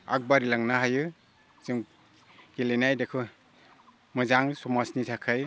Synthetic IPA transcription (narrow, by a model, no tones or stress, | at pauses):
a̰k̚baɾilaŋnaɦajɯ | z̥ɯŋ | ɡilenajdakʰɯ | mɯzaŋsɔmasnitʰakʰɯj